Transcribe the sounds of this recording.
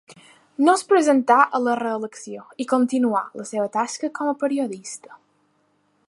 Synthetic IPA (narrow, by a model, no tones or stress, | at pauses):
nospɾəzənt̪aʔələrəːləksioikont̪inua̰ləseβət̪askəkɔməpəɾioðist̪ə̥